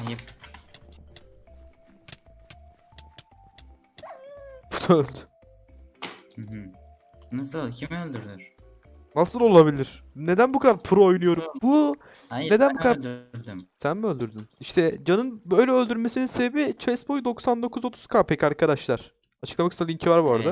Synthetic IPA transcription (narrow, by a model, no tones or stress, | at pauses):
ajip̚ | but̪ʰoølʲd̪y | h̩ɦɯ | nasɯlˠcʰimiølʲd̪yɾd̪yɾ̥ | nasɯlˠo̞lˠaβilʲiɾ̥ne̞d̪ænbukʰad̪aɾpʰuɾoojnujo̞ɾumbu | ae̞d̪ænbukad̪ad̪ɾd̪ymsænmø̞lʲd̪yɾd̪yniʃt̪ʰɛd͡ʒanɯnbø̞jlʲɛølʲd̪yɾme̞sininsebebit͡ʃʰɛsbo̞jud̪o̞ksand̪o̞kʰuzo̞t̪ʰuz̥kʰaːpʰɛcaɾkʰad̪aʃlˠaɾ̥ | at͡ʃʰɯ̥klˠamakɯst̪ʰalˠʲiɲcʰivaɾbɾad̪a